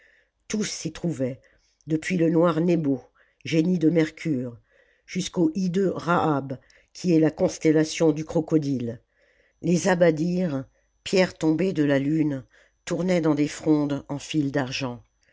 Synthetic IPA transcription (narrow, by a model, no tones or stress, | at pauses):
t̪usːit̪χuvɛ | d̪əpɥilənwaʁnebo | ʒenid̪əmɛʁkʲʰyʁ | ʒ̥yskoʔid̪øʁaʔab | kʲʰiɛlakɔ̃st̪ɛlasjɔ̃d̪ykχɔkɔd̪il | lezabad̪iʁ | pjɛʁt̪ɔ̃bed̪əlalyn | t̪uʁnɛd̪ɑ̃d̪efχɔ̃d̪ɑ̃fild̪aʁʒɑ̃